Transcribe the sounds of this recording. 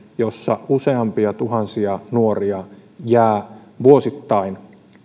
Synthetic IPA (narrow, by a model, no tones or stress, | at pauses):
josːɑuseɑmpiɑt̪uɦɑnsiɑnuoriɑjæːʋuosit̪ːɑin